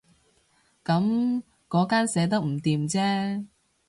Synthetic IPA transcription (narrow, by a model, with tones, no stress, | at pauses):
kɐ˨˥m | kɔː˨˥kaː˥nsɛː˨˥t̪̬ɐ˥k̚m̩˨˩t̪iː˨mt͡sɛː˥